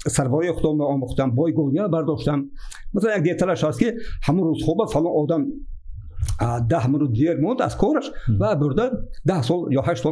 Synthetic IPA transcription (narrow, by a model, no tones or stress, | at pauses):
saɾvɔɾiiχʊd̪ɔmeɔmuχt̪anbɔjɡɔniabaɾd̪ɔʃt̪an | masalanjaɡ̚d̪et̪ʰalaʃast̪kihamuɾuzχɔbafalɔnʔɔd̪am | d̪ahmunud̪ieɾmɔnd̪a̰z̥kʰɔɾaʃvabʊɾd̪ad̪ahsɔljɔhaʃsɔ